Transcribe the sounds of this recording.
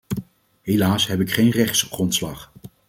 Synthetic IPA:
ɦelaːsɦɛpɪkχejnrɛχt̪sχrɔntslɑχ

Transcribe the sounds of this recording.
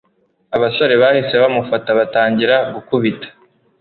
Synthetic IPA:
aβaso̞ɾe̞βaːhise̞βamufataβataːɲɟiɾaɡukuβitḁ

